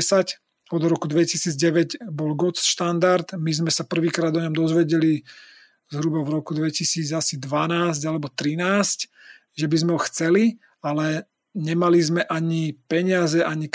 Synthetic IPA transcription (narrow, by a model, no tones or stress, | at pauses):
sac | ɔd̪ɾɔkud̪ʋɛcisiːd͡zɟɛʋɛɟbɔlɡɔt͡sʃt̪and̪aɾd̪mizmɛsapr̩ʋiːkɾaːd̪ɔɲɔmd̪ɔzʋɛɟɛli | zɦɾubavɾɔkud̪ʋɛcisiːd͡zasid̪ʋanaːzɟalɛbɔt̪ɾinaːsc | ʒɛbizmɛɦɔxt͡sɛli | alɛ | ɲɛmalizmɛʔaɲipɛɲɪazɛʔaɲik